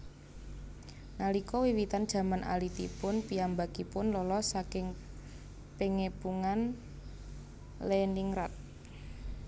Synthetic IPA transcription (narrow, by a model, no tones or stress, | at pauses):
nalikɔwiwit̪and̥ʒ̥ä̤manʔa̰lit̪ḭpʊnpiambakipʊnlɔlɔsakɪŋ | peŋepuŋan | leniŋɾat̪̚